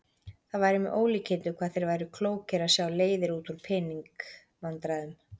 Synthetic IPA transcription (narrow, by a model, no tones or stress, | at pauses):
θaðvaːjɾɪmɛʔoːwliːcʰɪnt̪ʏkʰvaːðθejɾvaːjɾʏkʰloːwcɪɾasjawleːjðɪɾuːt̪uɾ̥pʰɪniŋk | vant̪ɾaðʏm